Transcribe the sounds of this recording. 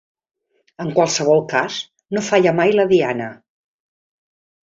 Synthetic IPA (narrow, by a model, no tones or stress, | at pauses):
əŋkwalˠsəβ̞ɔlˠkaz | nofaʎəmajləðianə